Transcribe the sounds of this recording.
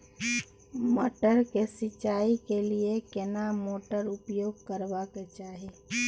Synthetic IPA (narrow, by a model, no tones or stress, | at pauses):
moːʈəɾkesɪt͡ʃaːikeliekenamoːʈəɾʊpjoːɡ̚kəɾbaket͡ʃaːɦe